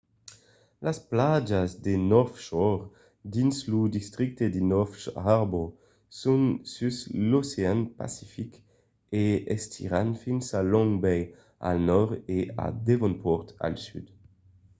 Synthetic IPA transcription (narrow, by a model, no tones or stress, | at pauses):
lasplad͡ʒazd̪enɔfʃɔʁ | d̪inslud̪ist̪ʁik̚t̪ed̪inɔfʃaʁbɔ | sunsysloseanpa̰sifik | eɛstʰḭʁanfinsalɔ̃ŋbɛj | a̰lnɔʁea̰d̪evɔ̃npʰɔʁt̪a̰lsyd̪